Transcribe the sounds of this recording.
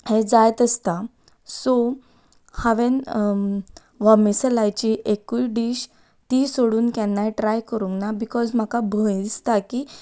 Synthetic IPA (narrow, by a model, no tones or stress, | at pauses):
hed͡zajt̪əst̪a | so | haʋen | ʋamislajt͡ɕiːʔekuiɖiːɕ | t̪iːsoɽuːnkɛ̃nːajʈɾajkəɾũŋɡnabikɔzm̤akabʱəst̪akiː